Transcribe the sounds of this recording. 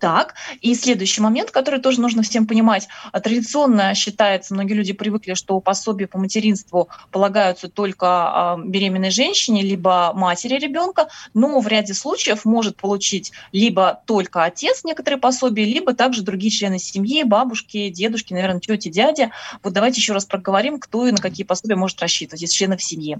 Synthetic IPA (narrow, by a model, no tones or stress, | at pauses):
t̪akisʲlʲed̪ʊjʉɕːɪjmɐmʲe̞nt̪kɐt̪o̞ɾɨjt̪o̞ʐɨnuʐnəfsʲe̞mpənʲɪmatʲt̪ɾədʲɪt̪sɨo̞nːəɕːɪt̪ajɪt̪səmno̞ɡʲɪːlʲʉdʲɪpɾʲɪvɨklʲɪʂt̪o̞pɐsobʲɪjəpəmətʲɪɾʲinst̪vʊpəlˠɐɡajʊt̪sət̪o̞lʲkəəbʲɪɾʲemʲɪnːəjʐɛnʲɕːɪnʲɪlʲibəmatʲɪɾʲɪɾʲɪbʲo̞nkənovɾʲædʲɪslˠut͡ɕɪjəfmo̞ʐɨt̪̚pəlˠʊt͡ɕitʲlʲibət̪o̞lʲkəɐtʲe̞t̪snʲe̞kət̪əɾɨjəpɐso̞bʲɪjəlʲibət̪aɡʐɨd̪ɾʊɡʲijt͡ɕlʲe̞nɨsʲɪmjibabʊʂkʲɪdʲe̞d̪ʊʂkʲɪnɐvʲernətʲɵtʲɪdʲædʲɪvot̪̚d̪ɐvajtʲɪjɪɕːo̞ɾaspɾəɡəvɐɾʲimkt̪o̞inəkɐkʲijəpɐsobʲjəmo̞ʐɨt̪rɐɕːit̪əvətʲesʲt͡ɕlʲenəfsʲɪmʲji